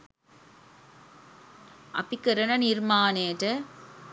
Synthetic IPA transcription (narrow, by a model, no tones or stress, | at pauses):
ɐ̰pikːɐɾɐnɐniɾmaːneːʈɐ